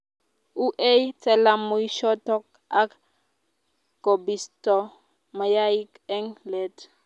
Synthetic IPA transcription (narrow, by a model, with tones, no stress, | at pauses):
u˦ʔe˦jt͡sɛ˦la˨mu˨i˦ʃɔ˦tɔ˦k̚ | a˦k | ko˨bi˨stɔ˨ | ma˨ja˦i˦kɛ˦ŋlɛ˨t